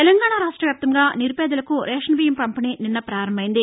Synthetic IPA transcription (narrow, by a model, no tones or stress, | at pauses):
t̪elɐŋɡaːɳaɾaːʂʈɾɐʋjaːp̚t̪ɐmɡaːniɾupɛːd̪ɐlɐkuɾɛːʂɐnɐʋijɐmpɐmpinininːɐpɾaːɾɐmbɐjind̪i